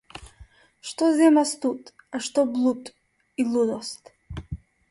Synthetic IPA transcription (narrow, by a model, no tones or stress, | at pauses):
ʃt̪ɔzɛmast̪ut̪ʼ | aʃt̪ɔblˠut̪ʼ | ilud̪ɔst̪